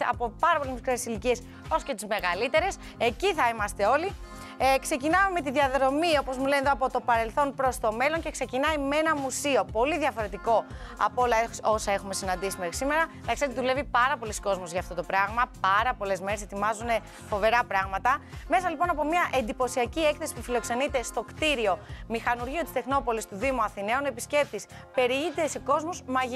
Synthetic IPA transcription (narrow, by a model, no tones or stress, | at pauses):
ɐ̰popɐɾɐpolezmikɾeesilicie̞s | o̞sce̞t̪izme̞ɣɐlit̪e̞ɾe̞s | e̞ciθɐimɐst̪e̞o̞li | kse̞cinɐmeme̞t̪̬iðʝɐðɾo̞mio̞po̞zmulenðoɐpo̞t̪o̞pɐɾe̞lθo̞npɾost̪o̞me̞lo̞nce̞kse̞cinɐimee̞nɐmusio̞po̞liðjɐfo̞ɾe̞t̪iko̞ɐ̰po̞lɐeo̞sɐe̞xume̞sinɐnd̪isimexɾi̥sime̞ɾɐðɐkseɾt̪ðule̞vipɐɾɐpo̞lisko̞zmozʝɐːft̪o̞t̪o̞pɾɐɣmɐpɐɾɐpo̞le̞zme̞ɾese̞t̪imɐzune̞ | fo̞ve̞ɾɐpɾɐɣmɐt̪ɐme̞sɐlipo̞nɐpo̞mɲɐʔe̞nd̪ipo̞siɐcie̞kθesi̥pufilo̞kse̞nit̪e̞st̪o̞kt̪iɾio̞mixɐnuɾʝio̞t̪i̥st̪e̞xno̞po̞list̪uðimuɐθine̞one̞pisce̞p̚t̪is | pe̞ɾiit̪ese̞ko̞zmozmɐʝi